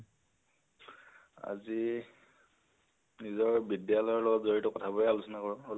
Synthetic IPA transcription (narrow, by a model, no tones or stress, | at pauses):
a̰zi | nizɔɹbidijalɔjɔɹlɔɡɔtzoɹitʊkɔtʰabɔjɛalusɔnakɔɹɔ̃